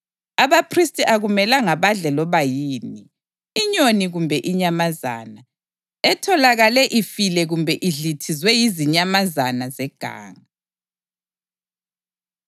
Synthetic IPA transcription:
aβapʰristʼiʔaɣumɛlaŋaβaɮɛlɔβajiːniː | ɲoniɣumbʱɛʔiɲamaza̰ːna | ɛtʰɔlaɣalɛʔifilɛɣumbʱɛʔiɮitʰizwɛjiziɲamazanazɛɡ̥ʱa̰ːŋa

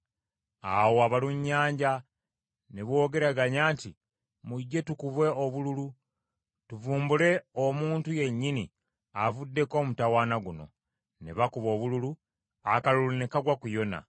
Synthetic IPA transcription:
a̰woaβaluɲːaːɲɟa | neβwo̞ːɡe̞ɾaɡaɲaːnti | muɟːe̞tukuβwe̞oβululu | tuvuːmbule̞omuːntuje̞ɲːini | avudːe̞ko̞ːmutawaːnaɡuno̞̰ | nḛβakuβo̞ːβululu | akalulunekaɡwakujo̞na̰

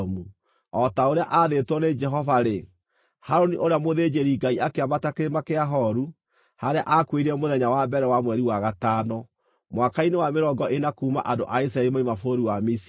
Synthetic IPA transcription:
mu | ɔtaoɾeaʔaðetwɔned͡ʒɛɦɔvaɾe | haɾoniʔoɾeamoðed͡ʒeɾiɡaiakeamatakeɾemakeaɦɔɾu | haɾea̰ʔakweɾiɛmoðɛɲawabɛɾɛwamwɛɾiwaɣataːnɔ | mwakainewameɾɔɡɔʔenakuːma̰ʔando̰ʔais̬ɾaɛɾimaimafoɾiwamis

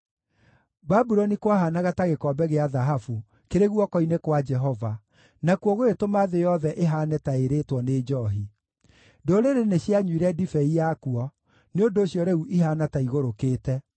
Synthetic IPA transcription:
babuɾɔnikwaɦanaɣataɣekɔbɛɣeaðaɦafu | keɾeɣwɔkɔinekwad͡ʒɛɦɔva | nakwɔɣoetomaðejɔðɛʔeɦaːnɛtaeɾetwɔneːd͡ʒɔːɦi | doɾeɾeneɕjaɲwiɾɛdifɛijakuɔ | neondoːɕjɔɾeuʔiɦaːnataiɣoɾokeːtɛ

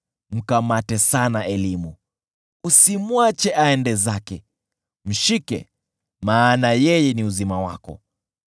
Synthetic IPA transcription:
m̩kamatɛsanaɛlimu | usimwat͡ʃɛʔaɛndɛzakɛ | m̩ʃikɛ̰ | maːnajɛjɛniuzimawa̰kɔ̰

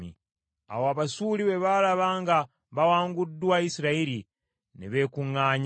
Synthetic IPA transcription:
ḭ | a̰woaβasuliβeβalaβaːŋɡa | βawaːŋɡudːuwaisiɾaiɾi | niβe̞kuŋaːɲ

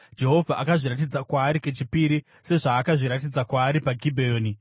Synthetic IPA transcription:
d͡ʒe̞ɦo̞vʱaʔakaʐiɾat̬id͡zakwaːɾike̞t͡ʃipiɾi | se̞ʐaːkaʐiɾatid͡zakwaːɾipaɡʱibʱeoːni

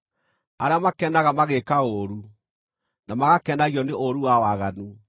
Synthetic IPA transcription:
aɾeamakɛnaɣamaɣekaoɾu | namaɣakɛnaɣiɔneʔoɾuwawaɣanu

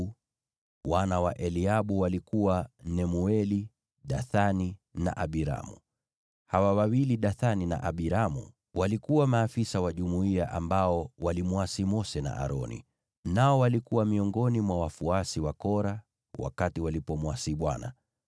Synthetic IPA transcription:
wanawaʔɛliaɓuwalikuwanɛmuɛli | ɗaθanina̰ʔaɓiɾa̰mṵ | hawawawiliɗaθanina̰ʔaɓiɾamṵ | walikuwamaːfisawaʄumuiaʔambaɔwalimwasimɔsɛna̰ʔa̰ɾɔ̰nḭ | naɔwalikuwamiɔŋɡɔnimwawafuasiwakɔɾa | wa̰katiwalipɔmwasiɓwa̰na̰

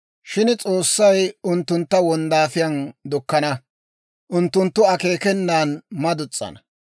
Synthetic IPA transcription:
ʃɪnt͡sʼo̞ːsːɐjʊnt̪ːʊnt̪ːɐwɔnd̪aːfɪjɐnd̪ʊkːɐnɐ | ʔʊnt̪ːʊnt̪ːʊɐke̞ːkɛnːaːnmɐd̪ʊt͡sʼːɐ̰nɐ

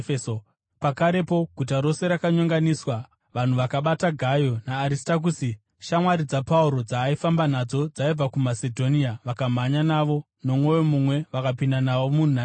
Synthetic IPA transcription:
eso | pakaɾe̞po̞ɡʱut̬aɾo̞se̞ɾakaɲoŋɡaniswa | ʋan̤uʋakaɓataɡʱajo̞naːɾistak̬usi | ʃamwaɾid͡zapauɾo̞d͡zaːifambanad͡zo̞d͡zaib͡vakumase̞dʱo̞niaʋakam̤aɲanaʋo̞ | no̞mwo̞jo̞mumwe̞ʋakapindanaʋo̞mun̤una

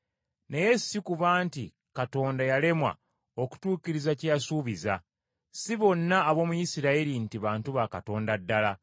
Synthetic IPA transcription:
ne̞je̞sikuβaːnti | kato̞ːndajale̞mwa̰ | o̞ku̥tuːciɾizacejasuːβiza | siβo̞nːaːβo̞ːmujisiɾaiɾintiβaːntuβakato̞ːndadːala

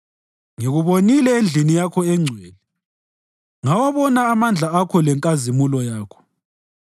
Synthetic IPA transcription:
ŋeɣuβonilɛend͡ɮʱinijakʰɔɛŋ͡ǀʱwɛːlɛ | ŋawaβɔnaːmand͡ɮʱaakʰɔlɛŋkʼazimulɔjaːkʰɔ̥

